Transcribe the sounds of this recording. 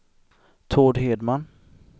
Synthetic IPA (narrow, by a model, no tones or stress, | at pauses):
t̪ʰoːɖɦeːd̪man